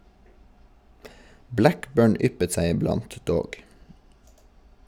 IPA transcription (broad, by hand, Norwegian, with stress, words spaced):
ˈblækˌbøːɳ ˈʏpət ˈsæɪ ɪˈblɑnt ˈdoːɡ